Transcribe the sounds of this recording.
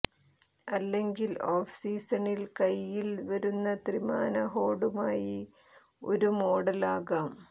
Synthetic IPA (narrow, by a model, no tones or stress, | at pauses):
ɐlːe̞ŋɡiloːfsiːsɐɳilkɐjːilʋɐɾunːɐt̪rimaːnɐɦo̞ːɽumaːji | o̞̰ɾumo̞ːɽɐlaːɣaːm